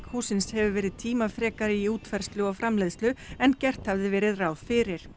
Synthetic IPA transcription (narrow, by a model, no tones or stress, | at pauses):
khuːsɪnshɛvʏvɛːɾɪðt̪ʰiːmafɾɛːkaɾɪiuːt̪fɛɾ̥st̪lʏɔfɾamlɛjðst̪lʏɛncɛr̥t̪havðɪvɛːɾɪðraːwðfɪːɾɪɾ̥